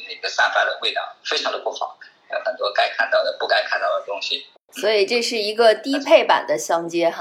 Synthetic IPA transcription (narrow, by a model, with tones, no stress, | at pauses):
ne˥˩ɡə˩sa̰˥˧fa˥˩d̪ə˩we˥˩ɪt̪ɑ̰˨˩˦ŋfe˥ɪʈ͡ʂʰɑ˧˥ŋd̪ə˧pu˥˩xɑ̰˨˩˦ʊ˧˥ | xə˨˩nt̪wɔ˥ka˥ɪkʰa˥˧nt̪ɑ˥˩ʊd̪ə˩pu˥˩ka˥ɪkʰa˥˧nt̪ɑ˥˩ʊd̪ə˩t̪ʊ˥ŋɕi˨˩ | swɔ˧˥i˨˩ʈ͡ʂɤ˥˧ʂɻ̩˥˩i˧˥ɡə˧t̪i˥pʰe˥˩ɪpa̰˨˩nd̪ə˦ɕjɑ˥ŋt͡ɕjɛ˥˧